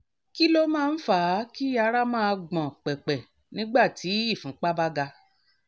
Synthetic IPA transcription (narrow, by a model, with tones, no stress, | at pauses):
ki˦lo˦mãː˦˧n̩˦faː˦˨˦ki˦a˧ɾa˦mãː˦˧ɡ͡bɔ̃˨k͡pɛ˨k͡pɛ˨ | nĩ˦ɡ͡ba˦˨ti˨˦i˦˨fũ˨˦k͡pa˦ba˦ɡa˧